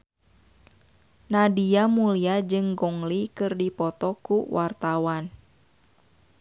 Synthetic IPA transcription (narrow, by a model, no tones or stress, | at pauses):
nadiamuliad͡ʒɨŋɡɔŋlikɨrdipɔt̪ɔkuwʔart̪awan